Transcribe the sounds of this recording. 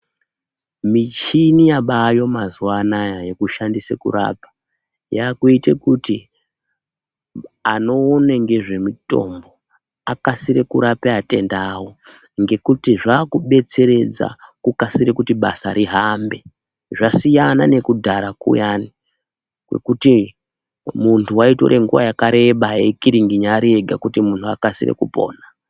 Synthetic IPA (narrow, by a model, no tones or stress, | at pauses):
mit͡ʃinijaɓajo̞mazuwanajajekuʃandisḛkṵra̰pḁ | jaːkuite̞kuti | ano̞ːneŋɡe̞ʐe̞mito̞̰mbo̞ | akasiɾekuɾapeate̞ndawo̞ | ŋɡe̞kutiʐaːkuɓe̞t͡se̞ɾe̞d͡za̰kukasiɾekutiɓasaɾiɦambe̞ | ʐasijanane̞kudʱaɾakṵjani | kwe̞̰kuti | muntʰuwaito̞̰ɾʔe̞ŋɡuʋa̰jakaɾe̞ɓajekiɾiŋɡiɲaɾieɡʱakutimuntʰuakasirḛkupo̞̰ːna